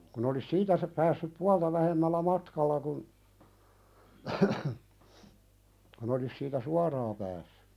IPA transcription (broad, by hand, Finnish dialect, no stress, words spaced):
kun olis siːtæ sɑ pæːsːyp puɑltɑ ʋæhemːælːæ mɑtkɑlːɑ kun kun olis siːtæ suɑrɑː pæːsːẙ